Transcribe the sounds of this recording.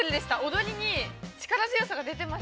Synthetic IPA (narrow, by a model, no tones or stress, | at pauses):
ɾid̪e̞ɕi̥t̪ao̞d̪o̞ɾʲiɲ̟it͡ɕi̥kaɾazɨjosaɡad̪e̞t̪e̞ma